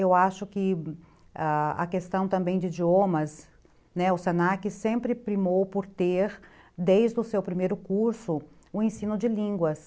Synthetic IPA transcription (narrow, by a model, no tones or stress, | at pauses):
ewaʃʊkɪ | aɐ̰kest̪ɐ̃w̃t̪ɐ̃mbẽj̃d͡ʒɪid͡ʒiomɐs | nɛʊsenakɪsẽmpɾɪpɾimowpʊɾt̪eɾ | d̪ejzd̪ʊsewpɾimejɾʊkuɾsʊ | ʊẽsĩnʊd͡ʒɪlĩŋɡwɐs